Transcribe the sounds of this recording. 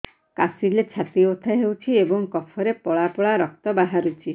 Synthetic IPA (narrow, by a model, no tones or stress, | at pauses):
kasilet͡ʃʰat̪iot̪ʰaɦewt͡ʃʰiebɔŋkɔpʰɔɾepɔɭapɔɭaɾɔk̚t̪ɔbaɦaɾut͡ʃʰi